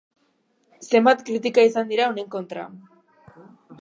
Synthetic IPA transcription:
se̞mbat̪kɾit̪ikaisand̪iɾaone̞ŋko̞nt̪ɾa̰

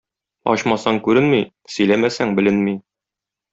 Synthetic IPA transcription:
ɒ̰ɕmɑsɑŋkʉɾɘnmi | sɵ̆jlæmæsæŋbɘ̆lɘnmi

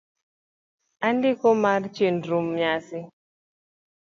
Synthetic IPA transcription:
andikɔmart͡ʃinɾumɲasi

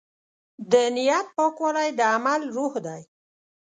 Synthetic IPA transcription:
d̪ənɪjat̪̚pəkoɾajd̪əamalɾuhd̪aj

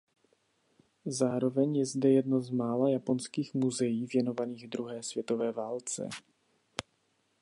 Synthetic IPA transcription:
zaːɾo̞vɛɲjɛzdɛjɛdnozmaːlajapo̞nskiːxmuzɛjiːvjɛno̞vaniːɣd̪ɾuɦɛːsv̥jɛt̪o̞vɛːvaːlt͡sɛ̰

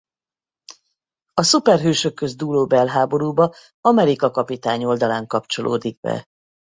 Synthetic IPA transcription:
ɒsupɛrɦøːʃø̞kːø̞zd̪uːloːbɛlɦaːbo̞ɾuːbɒ | ɒmɛɾikɒkɒpit̪aːɲo̞ld̪ɒlaːŋkɒpt͡ʃo̞lʔo̰ːd̪iɡ̚bɛ̰

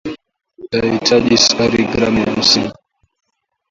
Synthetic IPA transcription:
ahitʰaʄisaɾiɡɾamjam̩siŋ

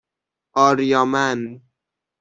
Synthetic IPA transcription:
ɒːɾjɒːmæn

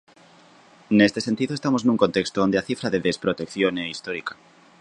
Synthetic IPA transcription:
nest̪esent̪iðoest̪amosznũŋkont̪ekst̪oond̪eaθifɾaðeðespɾot̪ekθjoneist̪oɾikḁ

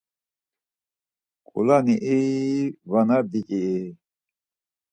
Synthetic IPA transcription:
kʼṵlaniʔivanad̪ikʼi

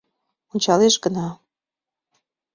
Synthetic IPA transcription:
onʲt͡ɕɑleʃɡənɑ

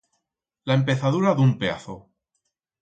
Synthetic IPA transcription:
laempe̞θaðuɾaðumpea̰θo

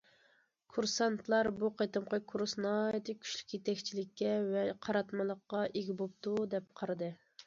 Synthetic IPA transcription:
kʰuɾsɑnt̪ʰlˠɑɾbuqet̪ɨmqʰɑkʰuɾsnɑjt̪ʰɪkʲʰy̥ʃly̥kʲjet̪ɛkʲt͡ʃʰilɪkʲːɛvɛqʰɑɾɑt̪mɨlˠəqːɑʔeɡʲibop̚t̪ud̪ɛp̚qʰɑɾɨd̪ɨ

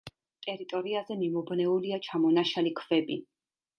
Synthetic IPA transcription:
t̪ʼɛɾit̪ʼɔɾiazɛmimɔbnɛuliat͡ʃʰamɔnaʃalikʰv̥ɛbi

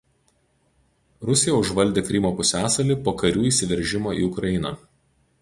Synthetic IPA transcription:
ɾʊsʲɪjɛʊʒʋɐlʲd̪ʲeːkɾʲɪmoːpʊsʲæːsɐlʲiˑpoːkɐɾʲuːiːˑsʲɪʋʲɛɾʲˑʒʲɪmoːḭːʊkɾɐɪnɐ̰

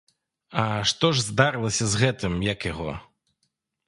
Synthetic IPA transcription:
ɐʂt̪ɔʐzd̪aɾɨlˠɐsʲɐzɣɛt̪ɨmjɐkjaɣɔ̰

